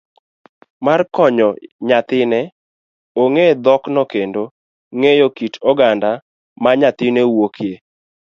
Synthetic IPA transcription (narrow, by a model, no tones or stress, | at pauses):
markɔɲɔɲat̪ɪnɛ | oŋed̪ɔknɔkendo | ŋejokitɔɡanda | maɲat̪ɪnewokʰje